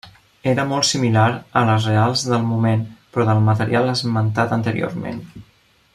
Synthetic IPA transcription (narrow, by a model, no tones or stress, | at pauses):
eɾəmɔlˠt̪similaɾələzrealˠzðəlˠmumenpɾɔðəlˠmət̪əɾialˠəzmənt̪at̪ənt̪əɾḭo̰ɾmḛn